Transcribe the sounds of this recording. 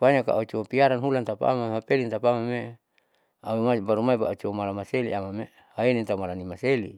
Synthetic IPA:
panaka̰ʔaut͡ʃoopiaɾanɦulant̪apaa̰mamapelint̪apamame | amabaɾumaipaat͡ʃoomalamaselḭʔamame | haenint̪amalanimaselḭ

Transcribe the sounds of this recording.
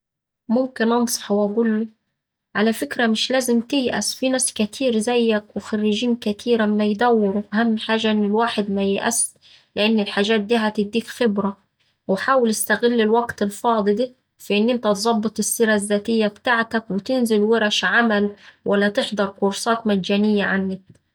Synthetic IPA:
mʊmkɪnʔɑnsˤɑ̥ħwæɡulːu | ʕalafɪkɾamɪʃlæːzɪmt̪ɪjʔæ̰sfinæːskæt̪ʰiːɾzæjːækwɪxɑrːɪʒiːnkæt̪ʰiːɾamːæjd̪æwːɪɾuʔahamːħaːʒaʔɪnːɪlwaːħɪd̪mæjɪʔæ̰s | lɪʔanːɪlħaːʒaːt̪̚d̪iːɦæt̪ɪd̪ːiːkxɪbɾa | wħaːwɪlɪst̪aɣɪlːɪlwaɡt̪ɪlfɑːd̪ˤɨd̪iː | fɪʔɪnːʔɪnt̪æt̪zˤɑbːɨt̪ˤɪsːiːɾazːaːt̪ɪjːabt̪aʕt̪akwɪt̪ɪnzɪlwɪɾˤɑʃʕamælwʔalːæt̪ɪħd̪ˤɑɾˤkʊɾˤsɑːt̪mad̪d͡ʒaːnɪjːaʕanːɪk̚

